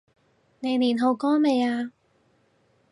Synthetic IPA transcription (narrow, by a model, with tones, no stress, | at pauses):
ne˨˧jniː˨˩nɦo˨˧wkɔː˥me˨˧jaː˧